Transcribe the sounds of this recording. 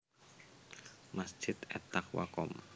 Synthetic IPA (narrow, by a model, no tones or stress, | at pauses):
masʒ̥ɪt̪ɛt̪akwa̰kɔm